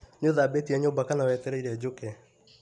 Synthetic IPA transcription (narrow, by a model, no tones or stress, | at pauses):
noðabetiɛɲombakanawɛtɛɾɛiɾɛd͡ʑokɛ